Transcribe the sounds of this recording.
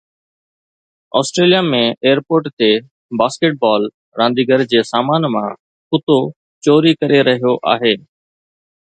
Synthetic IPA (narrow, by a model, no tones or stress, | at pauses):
ɔ̰ːsʈɾeːlijaːmẽeːjəɾpoːɾʈt̪e | baːskeʈ̚baːl | ɾãːnd̪ʱiːɡəɾd͡ʑeːsaːmaːnmã | kʊt̪o | t͡ɕoːɾikəɾeɾɐɦijoʔa̰ːɦeː